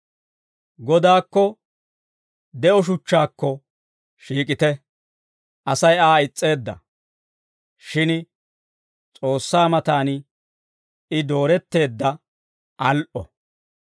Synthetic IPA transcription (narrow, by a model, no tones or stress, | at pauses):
ɡɔd̪aːkːɔ | d̪ɛʔɔʃ̬ʊt͡ʃːaːkːɔ | ʃiːkʼɪt̪ɛ | ʔɐsɐjaːɪt͡sʼːe̞ːd̪ːɐ̰ | ʃɪn | t͡sʼo̞ːsːaːmɐt̪aːn | ɪd̪o̞ːɾɛt̪ːe̞ːd̪ːɐ | ʔɐlʔɔ̰